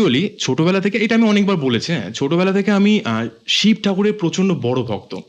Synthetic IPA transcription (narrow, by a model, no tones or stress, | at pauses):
uolit͡ɕʰoʈobɛlat̪ʰekeejʈaamiɔnek̚baɾbolet͡ɕʰet͡ɕʰoʈobɛlat̪ʰekeamiʃip̚ʈʰakuɾeɾpɾot͡ɕonɖobɔɽobʱɔ̰kt̪o